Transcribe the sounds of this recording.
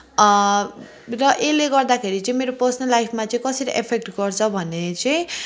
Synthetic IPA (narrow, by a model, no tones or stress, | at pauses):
rʌʔeleɡʌrd̪akʰeɾit͡sʌĩmeɾopʌrsʌnʌlːajpʰmat͡sʌĩkʌsʌɾiʔepʰek̚ʈɡʌrt͡sʰʌbʱʌnet͡sʌĩ